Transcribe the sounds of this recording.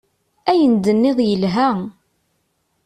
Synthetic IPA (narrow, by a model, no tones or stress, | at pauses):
æjənd̪ənːɪðˤjəlɦæ